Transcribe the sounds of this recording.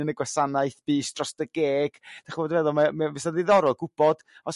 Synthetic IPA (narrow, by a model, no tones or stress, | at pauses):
ənəɡwasanajθb̥iːsd̥rɔsd̥əɡeːɡ̥d̥aχivoːdənvɛðɔlˠmamɛvɛsaðɪðɔɾɔlˠɡʊb̥ɔd̥ | ɔs